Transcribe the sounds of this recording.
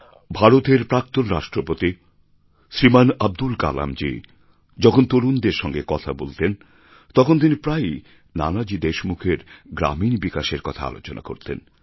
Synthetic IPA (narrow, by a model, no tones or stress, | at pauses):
bʱaɾot̪eɾpɾak̚t̪onɾaʃʈɾopot̪i | ʃɾimanab̚d̪ulka̰la̰md͡ʑḭ | d͡ʑɔkʰont̪oɾund̪eɾʃɔŋɡekɔt̪ʰabolt̪en | t̪ɔkʰont̪̬inipɾaj | na̰nad͡ʑid̪eʃmukʰeɾɡɾa̰minbikaʃeɾkɔt̪ʰa̰a̰lo̰t͡ɕonʔa̰ko̰ɾt̪ḛn